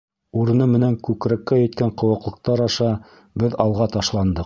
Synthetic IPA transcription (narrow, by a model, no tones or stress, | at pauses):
uɾɤ̆nɤmɘ̆næŋkʉkɾækːæjɘ̆t̪kæɴqŏwɤ̆qlˠɤ̆q̚t̪ɑɾɑʃɑ | bɘðɑlˠʁɑt̪ɑʃlˠɑnd̪ɤq